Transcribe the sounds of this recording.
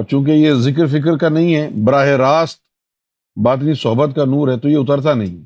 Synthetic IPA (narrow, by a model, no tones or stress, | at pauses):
ɾt͡ʃũːk̬ejezɪk̬əɾfɪk̬əɾkanɐɦĩɦɛːbɐɾaːɦeɾaːst̪̚ | baːt̪̬nisɔɦbət̪̚kanuːɾɦɛt̪ojeʊt̪əɾt̪anɐɦĩɦɛ